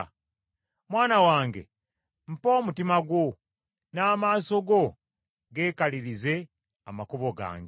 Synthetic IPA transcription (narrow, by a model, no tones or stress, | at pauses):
mwaːnawaːŋɡe̞̰ | m̩po̞ːmutimaɡwo̞ | naːmaːso̞ɡo̞ | ɡe̞ːkaliɾize̞ | amakuβo̞ɡa̰ːŋɡe